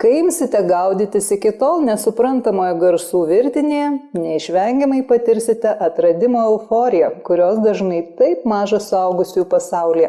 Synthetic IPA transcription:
kɐɪɪmʲsʲɪt̪ʲɛɡɐʊd̪ʲɪt̪ʲɪsɪkʲɪt̪oːlˠnʲɛsʊpɾɐnt̪ɐmoːjɛɡɐɾsuːʋʲɪɾʲt̪ʲɪnʲejɛnʲɛɪʃʲʋʲɛŋʲɡʲɛmɐɪpɐt̪ʲɪɾʲsʲɪt̪ʲɛʔɐt̪ɾɐd̪ʲɪmoːɛʊfoːɾʲɪjɛkʊɾʲoːsd̪ɐʒnɐɪt̪ɐɪpmɑːʒɐsʊɐʊɡʊsʲuːpɐsɐʊlʲijɛ

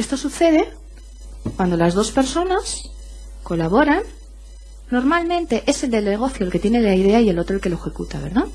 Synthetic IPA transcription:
e̞st̪o̞suθe̞ð̞e̞ | kwand̪o̞lazð̞o̞spe̞ɾso̞nas | ko̞laβ̞o̞ɾanː | o̞ɾmalmẽ̞nt̪e̞ʔe̞seld̪e̞lneɣ̞o̞θjolke̞t̪jene̞laiðe̞aie̞lo̞t̪ɾolke̞loexe̞kut̪a̰βe̞̰ɾða

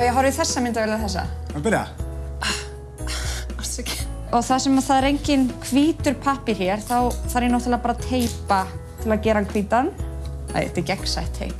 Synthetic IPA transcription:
ɛjɛɦɔɾvɪθɛsːamɪnt̪aveːlaθɛsːa̰pɪɾja̰ | ḁt̪ɛc | ɔɣθaðsɛmaθaðɛɾejɲcɪnkʰviːt̪ʏɾ̥pʰahpɪɾ̥çjɛɾ̥θawθaɾjɛnowht̪ɪlapaːɾat̪ʰeːjpa | t̪ʰɪlaðcɛːɾankʰviːt̪an | a̰jɛ̰t̪ɪcɛksa̰jht̪hḛjp

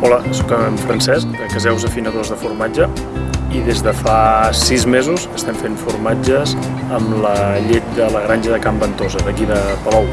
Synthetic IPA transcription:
ɔləsɔkəmfɾənsɛsk̚d̪əkəzɛwzəfinəðozðəfuɾmad͡ʒə | iðezðəfasizmezuzəst̪ɛmfeɱfuɾmad͡ʒəz | əmləʎet̪̚d̪ələɣ̞ɾanʒəðəkambənt̪ozəðəkiðəpəlɔw

